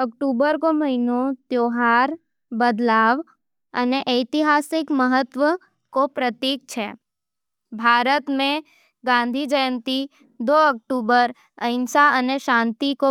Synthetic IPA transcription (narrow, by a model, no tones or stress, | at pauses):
ək̚ʈubəɾkoməɦinot̪joɦaɾ | bəd̪laʋ | ə̰neʔəjt̪iɦasɪkməɦət̪ʋə | kopɾət̪ik̚t͡ʃʰḛ | bʱaɾət̪mẽ | ɡãnd̪ʱid͡ʒəjənt̪i | d̪oək̚ʈubəɾ | əɪnsaəneʃãnt̪iko